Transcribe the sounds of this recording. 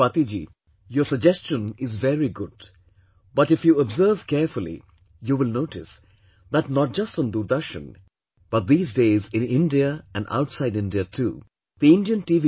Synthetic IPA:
bat̪id͡ʒḭ | jəsəɡ̚d͡ʒɛst͡ʃə̃nɪzvɛɹiɡʊd̥ | b̥ʌʈɪfjuəbzəːv̥kɛɾfəlḭ | juːʋɪlnoʊʈɪs | d̪ætnɔt̚d͡ʒʌstɔ̃nd̪uɾd̪əʃə̰̃n | b̥ʌt̪̚d̪iːzdeːzɪ̃nɪ̃ndiəæ̰̃nɖa̰ʊʈsaɪdɪ̃nɖiətʰṵː | d̪̥iɪ̃ndiə̃nʈivi

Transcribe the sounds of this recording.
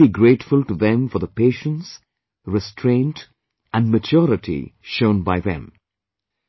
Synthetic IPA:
iɡɾeɪʈfʊlˠʈuðɛ̃mfɔðəpeːʃə̃ns | ɹɪstʰɹẽɪ̃nt | ʔæ̃nmət͡ʃɔɾɪʈʰḭʃõʊ̃nbaɪðɛ̰̃m

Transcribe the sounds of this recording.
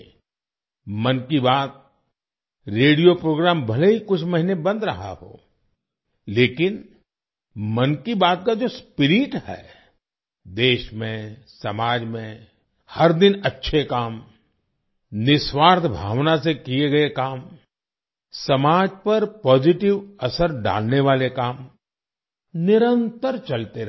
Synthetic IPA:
mɐnkibaːt̪̚ | ɾeːɽijopɾoːɡɾaːmbɐleɦikʊt͡ʃʰmɐɦɪnebɐ̃nd̪ɾɐɦa̰ɦo̰ː | leːkɪn | mɐnkibaːt̪̚kad͡ʒoːspɪɾɪʈhɛ̰ː | d̪eːʃmẽsɐmaːd͡ʒmẽ | hɐɾd̪ɪnɐtːʃʰekaːm | nɪswaːɾd̪ʰʱbʱa̰ːʋnasekieɡɐekaːm | sɐmaːd͡ʒpɐɾpɔːd͡ʒɪʈɪʋɐsəɾɖa̰ːlneʋaːlekaːm | nɪɾə̃nt̪əɾt͡ʃɐlt̪eɾ

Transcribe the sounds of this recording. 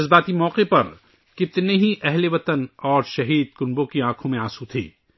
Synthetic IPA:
zbaːt̪imɔːqepɐɾ | kɪt̪neɦiʔɛɦleʋɐt̪ənɔːɾʃɐɦiːd̪̚kʊnbõkiãːkʰõmẽaːsut̪ʰḛː

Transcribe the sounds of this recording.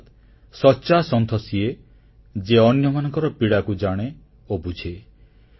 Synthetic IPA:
t̪ | sɔt͡ʃasɔnt̪ʰɔsie | d͡ʒeɔnjɔmanɔŋkɔɾɔpiɽakud͡ʒaɽ̃e | obud͡ʒʰe

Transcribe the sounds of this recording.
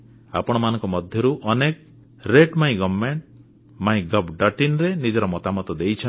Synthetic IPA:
a̰pɔɽ̃ɔmanɔ̃ŋkɔmɔd̪ʱjɔɾuʔɔnek | ɾeʈmaĩɡɔbmeɳʈ | maĩɡɔbɖɔʈinɾenid͡ʒɔɾɔmɔt̪amɔt̪ɔd̪ejt͡ʃʰɔ

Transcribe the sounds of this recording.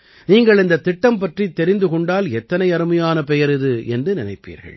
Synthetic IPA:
niːŋɡɐɭɪnd̪ɐt̪ːɪʈːɐmpɐʈrit̪ːɛɾɪnd̪ɯkɔɳɖaːlɛt̪ːɐnɐɪɐɾɯmɐjaːnɐpɛjɐɾɪðɯɛndrɯnɪnɐɪpːḭːɾɣɐ̰ɭ

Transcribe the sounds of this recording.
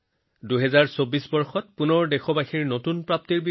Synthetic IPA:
duɦɛzaɹsobisbɔɹxɔt̚punɔɹdexɔbaxiɹnotunpɹap̚tiɹbi

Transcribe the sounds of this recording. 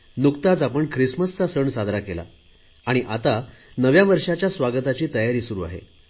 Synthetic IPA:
nukt̪at͡sapəɳkʰɾisməst͡sasəɳsad̪ʱɾakela̰ | aɽ̃iʔat̪anəʋjaʋəɾʂat͡ɕjasʋaɡət̪at͡ɕiːt̪əjaɾiːsuɾuːa̰ɦḛ

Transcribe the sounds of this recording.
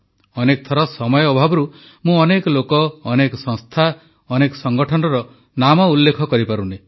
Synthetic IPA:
ɔnek̚t̪ʰɔɾɔsɔmɔjɔːbʱabɔɾu | mũɔnekɔlokɔːnekɔsɔ̃ŋst̪ʰa | ɔnekɔ̥sɔŋɡɔʈʰɔnɔɾɔ | namɔulːekʰɔkɔɾipaɾune

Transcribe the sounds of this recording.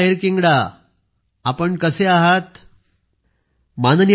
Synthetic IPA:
ɦeɾkiŋɡɽa | apəɳkəseaɦat̪ | manənj

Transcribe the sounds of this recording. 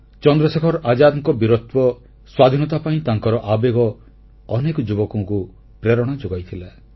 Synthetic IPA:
t͡ʃɔnd̪ɾɔsekʰɔɾʔad͡ʒad̪ŋkɔbiɾot̪pɔ | swad̪ʱinɔt̪apaĩt̪aŋkɔɾɔʔabeɡɔː | nekɔd͡ʒubɔkũku | pɾeɾɔɽ̃ɔd͡ʒoɡajt̪ʰila

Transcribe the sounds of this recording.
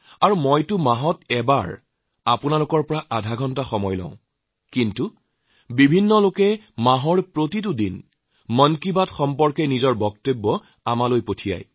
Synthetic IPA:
aɹumojtʊmaɦɔtɛbaɹ | apʊnalʊkɔɹpɔɹaʔadʱaɡʱɔntaxɔmɔjlɔ̰̃ʊ̃ | kintu | bibʱinːɔlokɛ | maɦɔɹpɹotit̬udin | mɔnkibatxɔmpɔɹkɛnizɔɹbɔktebːɔ | amalojpotʰija̰j

